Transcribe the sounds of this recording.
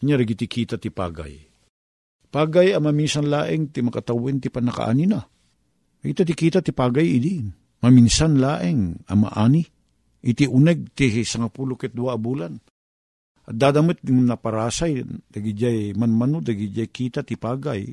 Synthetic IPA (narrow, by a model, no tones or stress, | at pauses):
ɲaɾɐɡit̪ikʰiːt̪at̪ɪpa̰ːɡa̰j | paːɡajamɐminsanlaːʔɪŋt̪ɪmɐkat̪awɪnt̪ɪpanɐka̰ʔa̰ːnina | ɾɪɡit̪at̪ɪkiːt̪at̪ɪpaːɡajɪd̪i | mɐminsanlaːʔɪŋa̰ma̰ʔaːni | ʔɪt̪iʔʊnɛɡ̚t̪isɐŋapulokɛt̪̚d̪ʊaʔːbuːlan | ɐt̪̚d̪aːd̪amat̪̚ɪŋnɐpɐɾaːsajd̪̥aɡid͡ʒajmanmɐnod̪ɐɡid͡ʒajkiːt̪at̪ɪpaːɡaj